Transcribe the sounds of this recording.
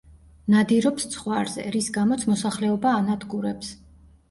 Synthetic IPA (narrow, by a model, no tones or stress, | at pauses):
nad̪iɾɔpst̪sʰχwaɾzɛ̰ɾisɡamɔt̪sʰmɔsaχlɛɔbaːnad̪ʰɡuɾɛps